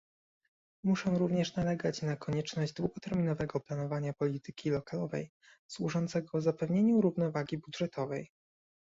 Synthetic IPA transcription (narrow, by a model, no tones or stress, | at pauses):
muʂɔ̃w̃ɾuvɲɛʂnalɛɡat͡ɕnakʰɔɲɛt͡ʂnɔʑd͡ʑd̪wuɡɔt̪ɛɾmʲinɔvɛɡɔplan̪ɔvaɲapɔlʲit̪ɘ̥kʲilɔkalɔvɛ̰j | swuʐɔnt̪sɛɡɔzapɛvɲeɲuɾuvnɔvaɡʲibudʐɛt̪ʰɔvɛj